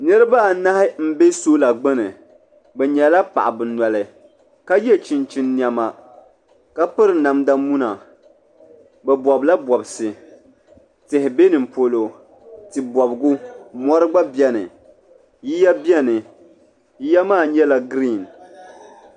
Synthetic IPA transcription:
nɨ˦ɾɨ˦ba˦˨na˦hɪ˦m̩˦be˦so˦la˨ɡ͡bɨ˦nɨ˨ | bɛ˨ɲɛ˨la˦pa̰˨ʔa˨bɨ˨nwɔ˨lɨ˨ | ka˦jɛ˦t͡ʃi˨nt͡ʃi˨nːi˨ɛ˨ma˨ | ka˦pɨ˦ɾɨ˨na˨mda˦mu˦na˨ | bɛ˨bɔ˨bla˦bɔ˨bsɨ˨ | tɪ˨hɪ˨be˦nɨ˨m˨po˦lo˨ | tɨ˨bɔ˨bɡʊ˦mɔ˦ɾɨ˦ɡ͡ba˦bjɛ˦nɨ̰˨ | ji˦ja˦bjɛ˦nɨ˨ | ji˦ja˦maː˦˨ɲɛ˦la˨ɡɾi˦˨n

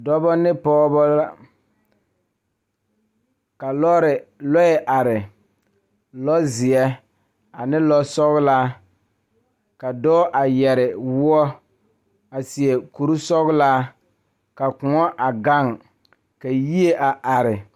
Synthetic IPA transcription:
dɔ˦bɔ˦nɪ˦pɔː˦bɔ˦la˦ | ka˨lɔ˦ɾɪ˨lɔ˦ɛ˨ʔa˨ɾɪ˨ | lɔ˦zɪ˨ɛ˦ | a˨nɪ˦lɔ˦sɔ˦ɣʊ˦la˦ | ka˨dɔː˦ʔa˨jɛ˨ɾɪ˨wʊ˦ɔ˦ | a˨si˨ɛ˨ku˨ɾu˦sɔ˦ɣʊ˦laː˦ | ka˨kʊ˨ŋɔ˦ʔa˨ɡa˦˨ŋ | ka˨ji˦e˦ʔa˨ʔa˨ɾɪ˨

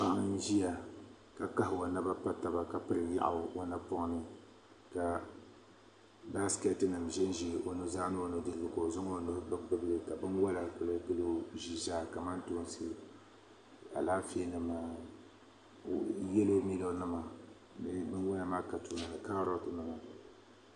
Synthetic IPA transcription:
pa˦ʔʒi˦ja˨ | ka˨ka˦hwo˨na˦ba˦pa˦ta˨ba˨ka˨pɨ˦ɾɨ˨ja̰˦ʔa̰˨wo˨na˦pɔ˦ŋ˦nɨ˦ | ka˨ | ba˦skɛ˦tɨ˦nɨ˨mʒɛ˦n˦ʒi˦˨ʔo˨nɨ˦zaː˦no˦˨no˨dɨ˨lɨ˨bɨ˨ka˨o˨zʊ˦ŋo˦˨no˦hbɨ˦k͡pɨ˦bɨ˦lɨ˦ka˨bɨ˦nwa˦la˨kɨ˨lɨ˦kɨ˦lɨ˦ʒi˦zaː˦ka˨ma˦nto˦nsɨ˦ | a̰˨laː˦fe˦nɨ˦maː˦˨ | jɛ˦lo˦mi˦lo˦nɨ˦ma˨ | nɨ˦bɨ˦nwʊ˦na˨maː˦ka˨tu˨na˨la˨ka˦ɾɔ˦tnɨ˨ma˨

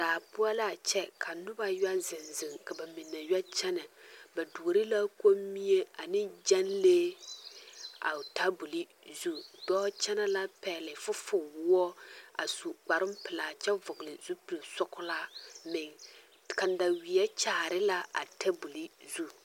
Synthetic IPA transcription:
daː˨bʊ˦a˦la˦t͡ʃɛ˦kʰa˨nʊ˦ba˦ja˦zɪ˨nzɪ˨ŋka˨ba˨mɪ˨nːa˨ja˦t͡ʃɛ˦na˨ba˨du˨o˨ɾɪ˦la˦ko˦mːi˦je˦a˨nɪ˦d͡ʒɛ˦nleː˦ | a̰˨ta˦bu˨li˦ | zu˦d̥ɔː˦t͡ʃɛ˦na˦la˦pɛ˨lɪ˨fʊ˦fʊ˨wʊ˦ɔ˦a̰˨su˨k͡pa˨ɾɪ˦mpɪ˨la˨t͡ʃɛ˦vʊ˨ɡɪ˨lɪ˨zu˦pi˨lsʊ˦kʊ˦la˦mɪ˨ŋ | ka˨n˦da˨wi˨ɛ˦t͡ʃa˦˨ɾɪ˦la˦a̰˨tɛ˦bu˨li˦zu˦

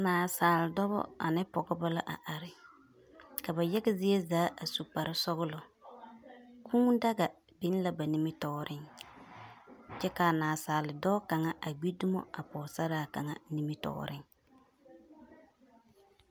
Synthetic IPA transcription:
naː˨saː˨lɪ˨dɔ˦bɔ̰˦a̰˨nɪ˦pɔ˨ɡɔ˦ba˦la˦ʔa˨ʔa˨ɾɪ˦ | ka˨ba˨jɛ˦ɡɪ˦zɪ˦je˦zaː˨˦ʔa˨su˨k͡pa˨ɾɪ˦sɔ˦ɡʊ˦lɔ˨ | kʰu˦ŋda˦ɡa˨ | bɪ˦n˦la˨ba˨ni˨mɪ˦tɔː˨ɾɪ˦ŋ | t͡ʃɛ˦ka˨naː˨saː˨lɪ˨dɔ˦ka˨ŋa˦ʔa˨ɡ͡bi˦du˦mɔ̰˦a˨pɔː˨sa˦ɾaː˨ka˨ŋa˦ni˦mɪ˦tɔ̰ː˨ɾɪ˦ŋ

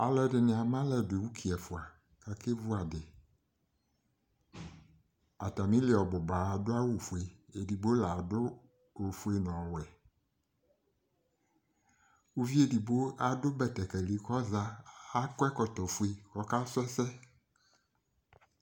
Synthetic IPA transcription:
a˨lɔ˨ɖɪ˨nɪ̃˨a˨mã˦lɛ˨de˨wu˦kʰi˨ɛ˨fʊ˨a˨ | ka˦ke˦vu˦a˨dɪ˨ | a˨t̪a˨mĩ˦le˨ɔ˨bɔ˨ba˨a˨dʊ˦a˦wu˨fu˨e˨e˨di˨bo˦la˨dʊ˦ | o˨fu˦e˦nɔ̃˨wɛ˨ | wu˦vi˦e˦˨di˨bo˦a˨dʊ˦bɛ˨t̪ɛ˨kɛ˨li˨kɔ˦za˦a˦kɛ˦kɔ˨t̪ɔ˨fu˦e˦kɔ˦ka˦sʊ˦ɛ˦sɛ˦

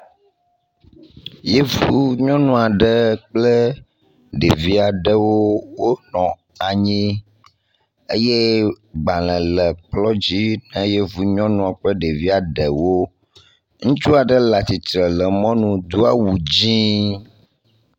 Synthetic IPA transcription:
je˦vuu˦ɲɔ̃˦nũ˦a˨ɖə˦k͡plə˦ | ɖḛ˨vi˦a˨ɖə˦wo˦wo˦nɔ̃˨ | a˨ɲĩ˦ | e˦je˦ | ɡ͡ba˨lə̃˨lə˨k͡plɔ˦d͡ʑi˦nə̃˦je˦vu˨ɲɔ̃˦nũ˦a˨k͡plə˦ɖe˨vi˦a˨ɖə˨wo˦ | ŋũ˦t͡ʃu˦a˨ɖə˦la˨t̪i˨t̪ɾə˨lə˨mɔ̃˦nũ˨d̪u˦a˦wu˨d͡ʑĩ˦

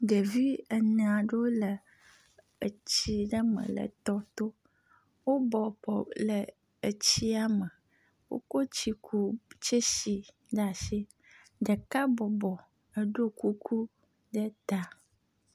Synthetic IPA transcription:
ɖə˨vi˦ə˨n˨a˨ɖə˦wo˦lə˨ | ə̰˨t͡ɕi˦ɖə˦mə̰̃˨lə̰˨t̪ɔ˦t̪o˦ | wo˦bɔ˨pɔ˨lə˨ | ə˨t͡ɕi˦a˦mə˨ | wo̰˦ko˦t͡ɕi˦kʰu˦t͡ʃe˦ʃi˨ | ɖa˨ʃi˦ | ɖə˨ka˦bɔ˨bɔ˨ | ə˨ɖo˦ku˦kʰu˦ | ɖə˦t̪a˨

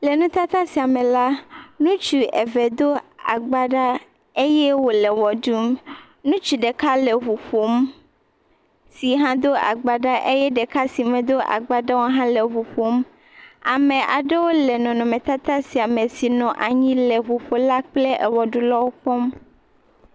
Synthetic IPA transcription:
le˨nũ˦t̪a˦t̪a˦si˨a˨mẽ˨la˦nũ˦t͡ʃu˨ʔɛ˨vɛ˨d̪o˦a̰˨ɡ͡ba˦ɖa˦ | e˦jɛ˦wo˦lɛ˨wɔ˨ɖu˦m | nũ˦t͡ʃu˨ɖe˨ka˦le˨ɦu˨ɸo˦m | si˨ɦã˦d̪o˦a̰˨ɡ͡ba˨ɖa˦ʔe˦jɛ˦ɖɛ˨ka˦si˨mɛ̃˨d̪o˦ʔa̰˨ɡ͡ba˨ɖa˦wo˦ɦã˦lɛ˨ɦu˨ɸo˦m | a˨mẽ˨ʔa˨ɖe˦wo˦lɛ˨nɔ̃˨nɔ̃˨mɛ̃˨t̪a˦t̪a˦si˨a˨mẽ˨si˨nɔ̃˨ʔa˨ɲĩ˦lɛ˨ɸu˨ɸo˨la˦k͡ple˦ʔɛ˨wɔ˨ɖu˦lɔ˦wo˦k͡pɔ˦m

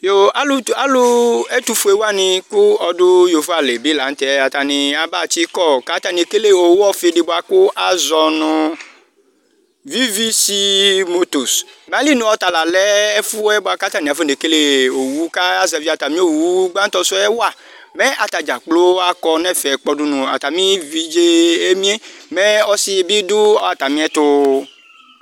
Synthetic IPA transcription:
jo˨a˦lu˦a˨lu˦e˦t̪u˦fu˨˦e˨wa˦nĩ˨ku˦ɔ˨dʊ˦jo˨fo˦a˨le˨bi˦la˨n̩˦t̪ɛ˨˦a˨t̪a˨nĩ˨a˨ba˦˨ti˦kɔ˦˨ka˨˦t̪a˨ni˨ke˦le˦o˨wu˦ɔ˦fe˨ɖe˨bo˨a˨kʊ˦ʔa˨zɔ˨nʊ̃˨ | vi˦vi˦si˦mo˦t̪o˨smɛ˨˦a˦li˦nũ˨˦ɔ˨˦t̪a˨la˨lɛ˦e˦fu˦ɛ˦bo˨a˨ka˦t̪a˦˨nĩ˨a˨fe˦ne˨ke˦le˦o˨wu˦ka˦a˦zɛ˨vi˦a˨t̪a˨mĩ˦o˦wu˦ɡ͡ba˦t̪ɔ˦so˦ɛ˦wa˨ | mɛ̃˦ʔa˨t̪a˨d͡ʒa˨k͡plo˦a˦kɔ˦nɛ̃˦˨fɛ˨k͡pɔ˦ɖu˦nũ˨a̰˨t̪a˨mĩ˦vi˦d͡ʒe˦e˦mĩ˦e˦mɛ˦ɔ˦si˦e˨bi˦d̪u˦ɔ˦a˨t̪a˨mĩ˦ɛ˦t̪o˦

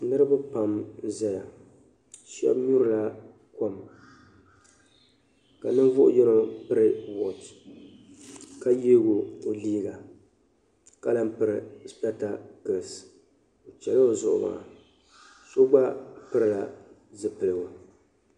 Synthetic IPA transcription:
nɨ˦ɾɨ˦ba˦pa˨mza˦ja˨ | ʃɛ̰˦bɲu˦ɾɨ˨la˦ | ko˦m | ka˨nɨ˦ɱ˦vʊ˦ʔʊ̰˦jɛ˦no˦pɨ˦ɾɨ˦wo˨t | ka˦je˦ɡo˨o˨liː˦ɡa˨ | ka˦la˦m˦pɨ˦ɾɨ˨spɛ˦ta˨kɨ˨s | o˨t͡ʃɛ˨lo˦o˨zʊ̰˨ʔʊ̰˦ma̰˨ | so˦ɡ͡ba˦pɨ˦ɾɨ˨la˨zɨ˨pɨ˨lɨ˨wa˨

